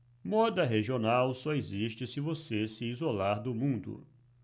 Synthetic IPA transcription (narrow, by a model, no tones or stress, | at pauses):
mɔd̪ɐɦeʒionawsɔeziʃt͡ʃɪsɪvosesɪizolaɾd̪ʊmũd̪ʊ̰